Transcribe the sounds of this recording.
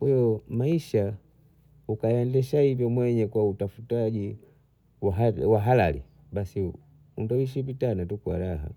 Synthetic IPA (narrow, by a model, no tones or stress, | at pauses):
kwɛjɔmaiʃa | ukajandɛʃaivjɔmwɛɲɛkwautafutaʄi | waɦawaɦalalḭ | ɓasi | undawiʃ̬ivitanatukwa̰ɾaɦa̰